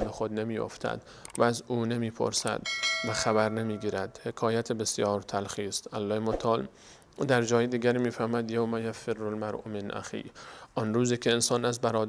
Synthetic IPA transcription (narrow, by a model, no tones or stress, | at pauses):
nd̪exod̪nemiːjo̰ft̪ʰæ̰d̪ | vææzuːne̞miːpʰo̞̰ɾsæ̰d̪̥væxæbæɾne̞miːɡiːɾæd̪̥he̞kʰɒːjæt̪ʰebesjɒːɾt̪ʰælxiːst̪ælːɒːhemot̪ʰɒːl | d̪æɾd͡ʒɒːjed̪iːɡʲæɾiːmiːfæɾmd̪jowmæjæferːolmæɾʔṵmenʔæ̰xḭːʔɒnɾuːziːkʲʰeːnsɒːnæzbæɾɒːd̪